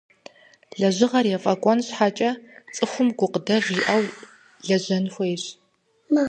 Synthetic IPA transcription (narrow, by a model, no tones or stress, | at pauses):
ɮɐʑɪʁɐrjɛfʼɐkʷʼɔnɕħaːt͡ʃʼɐt͡sʼɨxʷʊmɡʷʊqədɐʒiːʔɐw | ɮɐʑɐnxʷɔjɕ